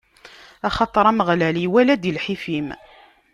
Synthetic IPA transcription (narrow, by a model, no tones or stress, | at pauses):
ɑχɑt̪ˤɾˤæməʁlæliwælæd̪ilħifim